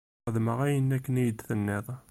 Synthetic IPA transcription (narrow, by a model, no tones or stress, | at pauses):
əðməʁæjənːækːənijəd̪θənːeðˤ